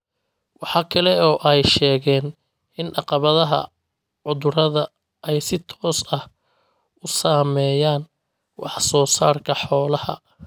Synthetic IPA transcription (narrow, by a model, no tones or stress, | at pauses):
wɑħɑːkʰɐlɛɔːʔɛjʃɛːɣɛːn | ɪnʔɑqɑβɐðɐɦɐ̰ | ʕʊðʊɾɐðɐ | ʔɛjsɪt̪ʰɔːsɐh | ʊsaːmɛːjaːn | wɑħsɔːsaːrkʰɐħɔːlɐhɐ̰